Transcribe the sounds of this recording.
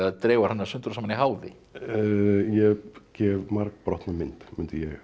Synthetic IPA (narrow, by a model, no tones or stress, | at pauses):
aðt̪ɾɛːwaɾ̥hanːaɾsʏnt̪ɾsamaniɦaːwðɪ̰ | jɛcɛvmaɾkpɾɔht̪namɪn̥t̪mʏnt̪ɪjɛɣ